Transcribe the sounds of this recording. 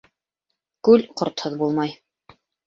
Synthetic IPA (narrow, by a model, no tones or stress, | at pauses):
kʉlqŏɾt̪hɤðbulˠmɑj